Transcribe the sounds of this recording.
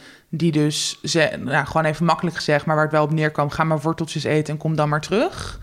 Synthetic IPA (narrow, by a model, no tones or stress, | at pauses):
didøszɛjaχəʋoːnejvəmɑkələkχə̥z̥ɛχtmaːɹʋaːɹətʋɛlˠɔpnɪːɹkʋɑmχaːmaːɹʋɔɹtəlˠtəsejtəɛnkɔmdɑnmaːɹtrøχ